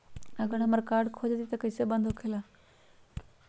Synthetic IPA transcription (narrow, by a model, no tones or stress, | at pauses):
əɡəɽaməɾkaɾɖkʰod͡zet̪it̪ekəjsebənd̪ʱokʰela